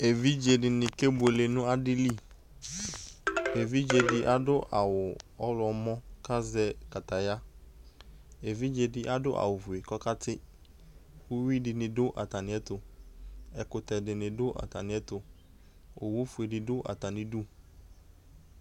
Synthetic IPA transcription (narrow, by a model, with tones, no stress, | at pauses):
e˨vi˦d͡ʒe˨dɪ˨nɪ̃˨ke˦bʊ˨e˨le˨nʊ̃˦a˦dɪ˦li˦˨ | e˨vi˦d͡ʒe˨dɪ˨ʔa˨dʊ˦ʔa˨wʊ˨ɔ˦lɔ˨mɔ̃˦ka˦zɛ˦ka˨ta˨ja˦ | e˨vi˦d͡ʒe˨dɪ˨ʔa˦dʊ˦ʔa̰˨wʊ˨vʊ˨e˨kɔ˦ka˦tʰɪ˦ | u˦wi˦dɪ˨nɪ̃˨dʊ˦ʔa̰˨ta˨nɪ̃˨˦ɛ˦tʊ˨ | ɛ˨kʊ˨tɛ˨dɪ˨nɪ̃˨dʊ˦ʔa̰˨ta˨nɪ̃˨˦ɛ˦tʊ˨ | o˨wu˦fʊ˨e˨dɪ˨dʊ˦ʔa̰˨ta˨nɪ̃˨du˦